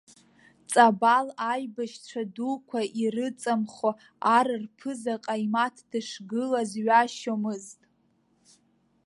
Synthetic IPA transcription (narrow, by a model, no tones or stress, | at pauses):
t͡sʼabalajbaʃʈ͡ʂʷʰadukʷʰaʔirɨt͡sʼamχo | aɾɨrpʰɨzaqʼaimatʰdɨʂɡɨlazɥaʃomɨztʼ